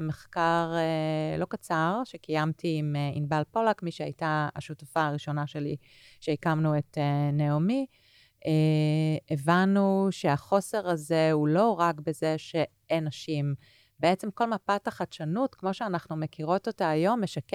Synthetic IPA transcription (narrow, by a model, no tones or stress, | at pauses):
meχkaʁelo̞kat͡saʁʃe̞kajamtʰiimeinbalpo̞lakmiʃea̰jtaa̰ʃutafaaʁiʃo̞naʃeli | ʃeikamnueteneomi | e | evanuʃe̞aχo̞se̞ʁaze̞ulo̞ʁakbe̞zeʃe̞ | enaʃim | beet͡se̞mko̞lmapataχatʃanutkmo̞ʃeanaχnume̞kiʁo̞totaːjo̞mːeʃak